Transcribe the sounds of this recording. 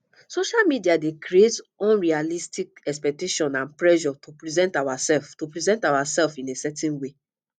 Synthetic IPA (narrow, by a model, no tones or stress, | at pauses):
soʃalmidiadekɾietɔ̃nɹialistikɛkspɛk̚teʃɔ̃nãnpɹɛʒɔtupɹizɛ̃ntawasɛlftopɹizɛ̃ntawasɛlfĩnesɛtĩnwe